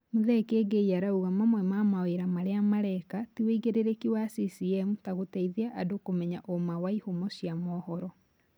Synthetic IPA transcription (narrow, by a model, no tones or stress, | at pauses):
muðɛkeːɡeiaɾauɣamamwɛmamaweɾamaɾeamaɾɛkatiweiɣeɾeɾekiwasisiɛmutaɣotɛiðeaʔadokomɛɲaʔomawaihomɔɕjamɔːhɔɾɔ